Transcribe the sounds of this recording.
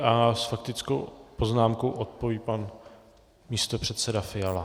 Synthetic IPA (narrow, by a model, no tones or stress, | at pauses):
ʔasfak̚t̪ɪt͡skowpo̞znaːmkowʔot̪̚po̞viːpan | miːst̪o̞pr̝̥ɛt̪sɛdafɪjala